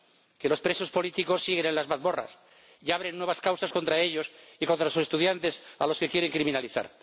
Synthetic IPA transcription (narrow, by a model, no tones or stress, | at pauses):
ke̞lo̞spɾeso̞spo̞lit̪iko̞sːiɣ̞e̞nenlazβaðmo̞ra̰s | jaβ̞ɾenːweβaskawsasko̞nt̪ɾae̞ʎo̞siko̞nt̪ɾasusest̪uðjant̪e̞salo̞ske̞kjeɾe̞ŋkɾimĩnaliθa̰ɾ